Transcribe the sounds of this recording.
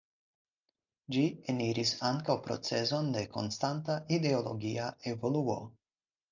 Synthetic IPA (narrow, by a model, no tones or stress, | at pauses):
d͡ʒieniɾʔisaŋkawpɾo̞̰t͡se̞zo̞nde̞ko̞̰nstantaʔide̞o̞lo̞̰ɡiae̞vo̞luo̞̰